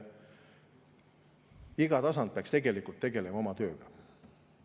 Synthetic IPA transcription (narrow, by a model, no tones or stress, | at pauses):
iɡ̥ɑt̪ɑsɑnd̪̚peɑkst̪e̞ɡe̞likult̪ːe̞ɡe̞lemɑo̞mɑt̪ø̞ːɡ̥ɑ̥